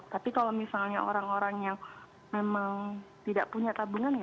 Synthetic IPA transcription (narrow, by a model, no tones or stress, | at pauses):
t̪apikalomisalɲaʔo̰ɾaŋoɾaŋjaŋ | memaŋt̪idaʔpuɲat̪abuŋanj